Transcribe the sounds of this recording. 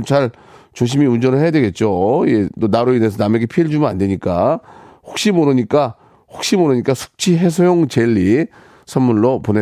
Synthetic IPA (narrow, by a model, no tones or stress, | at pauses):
mt͡ɕaɾ | t͡ɕoɕ̬ʰimiund͡ʑʌnɯɭhe̞jadwe̞ɡe̞t̚t͡ɕ͈oiet͈onaɾoinesʰʌname̞ɡe̞pʰieɭd͡ʑumnandwe̞ɲik͈aɸok̚ɕ͈imoɾɯɲik͈a | hok̚ɕ͈imoɾɯɲik͈asʰu̥k̚t͡ɕʰiɦe̞s̬ʰojoŋt͡ɕeʎːi | sʰʌmmunːopone